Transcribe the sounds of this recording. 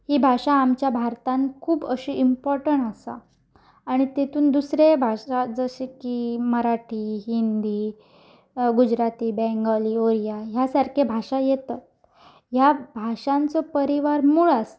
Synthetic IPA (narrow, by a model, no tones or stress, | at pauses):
hiːbʱaʂaːmt͡ɕjabʱaɾt̪ãnkʰuːbəɕiːʔimpɔɾʈəɳasa̰ː | ɽ̃it̪et̪ʰuːnd̪usɾebʱaʂad͡zəɕekiːməɾaʈʰiːɦind̪iː | ɡud͡ʑɾat̪iːbɛ̃ŋɡaliːoɾijaɦjasaɾkʰebʱaʂajet̪at̪̚ | jabʱaʂãnt͡sɔpəɾiʋaɾmuːɭas